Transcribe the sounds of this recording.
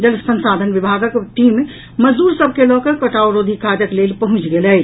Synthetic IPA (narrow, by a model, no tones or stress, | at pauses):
d͡ʒəlsə̃nsad̪ʱənʋibʱaɡəkʈime | məd͡ʒd̪uɾsəbʱkelɔkəɾkəʈawɾod̪ʱikʰad͡ʒəklelpəɦũt͡ʃɡelɛj